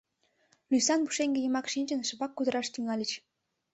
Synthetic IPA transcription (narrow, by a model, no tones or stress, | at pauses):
lʲysɑnbuʃeŋɡʲĕjə̆mɑkʃinʲt͡ɕə̆nʃɤ̆βɑkːud̪ə̆ɾɑʃt̪yŋɑlʲət͡ɕ